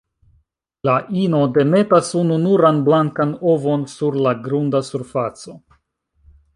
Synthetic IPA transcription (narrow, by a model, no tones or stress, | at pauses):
laʔino̞de̞me̞tasununuɾanblaŋkano̞vo̞nsuɾlaɡɾundasuɾfat͡so̞